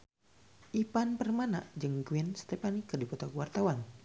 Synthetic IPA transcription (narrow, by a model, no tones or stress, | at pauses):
ʔipanpərmana̰ʔd͡ʒəŋɡuinst̪ɛpanikːədikɔt̪akuwart̪awan